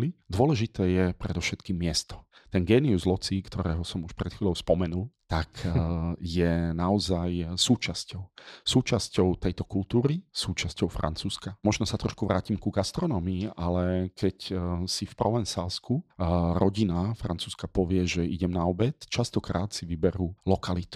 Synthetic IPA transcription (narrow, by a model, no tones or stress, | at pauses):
lid̪ʊɔlɛʒit̪ɛːjɛpɾɛd̪ɔfʃɛt̪kiːmːɪɛst̪ɔ̥t̪ɛnɡɛːniuzlɔt͡siːkt̪ɔɾɛːɦɔsɔmuʃpɾɛt̪xʋiːlɔʊspɔmɛnult̪ak | jɛnaɔzajsuːt͡ʃascɔʊsuːt͡ʃascɔʊt̪ɛjt̪ɔkult̪uːɾisuːt͡ʃascɔʊfɾa̰nt͡suːskamɔʒnɔsat̪ɾɔʃkuʋɾaːcimkuɡast̪ɾɔnɔːmiːʔalɛkɛcsifpɾɔʋɛnsalskuɾɔɟinafɾant͡suːskapɔʋɪɛʒɛʔiɟɛmnaɔbɛt̪t͡ʃast̪ɔkɾaːt̪siʋibɛɾulɔkalit̪u̥